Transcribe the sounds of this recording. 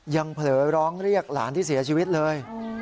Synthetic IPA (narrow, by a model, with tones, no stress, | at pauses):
ja˧ŋpʰlɤː˩˦ɾɔː˦˥ŋɾi˥˩ək̚la̰ː˩˦nt̪ʰiː˥˩si˩˦ɐt͡ɕʰiː˧wi˦˥t̪̚lɤː˧j